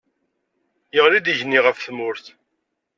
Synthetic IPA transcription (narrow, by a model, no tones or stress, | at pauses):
jəʁlid̪iʝniʁəfθmʊɾθ